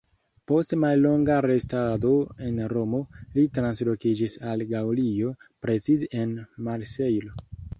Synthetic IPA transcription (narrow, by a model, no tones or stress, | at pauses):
po̞stmalːo̞ŋɡaɾe̞stado̞e̞nɾo̞mo̞litɾanslo̞kid͡ʒisalɡawlio̞pɾe̞t͡sizeʔenmaɾse̞jlo